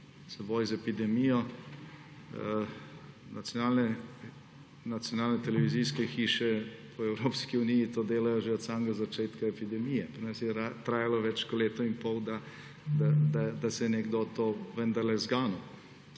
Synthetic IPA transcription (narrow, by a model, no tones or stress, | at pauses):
sɛboːjzɛpid̪ɛmijɔ | natsjɔnaːlnɛ | nat̪sjɔnaːlnɛt̪ɛlɛʋizijskɛxiːʃɛpʰɔɛwɾoːpskiunijit̪oːd̪eːlajɔʒeɔt̪samɡazat͡ʃeːt̪kaɛpid̪ɛmijɛpɾinasjɛat̪ɾaːjalɔʋɛt͡ʃkɔleːt̪ɔinpɔwd̪a | d̪ad̪ad̪asɛnɛɡd̪ot̪oːʋənd̪aɾlɛzɡaːnu